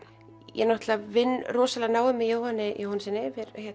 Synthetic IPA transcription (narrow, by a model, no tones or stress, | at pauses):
jɛ̰naht̪lavɪnːrɔːsalanaːwʏmːɪjoːwhanːɪjowhansɛnɪvɪɾhɛ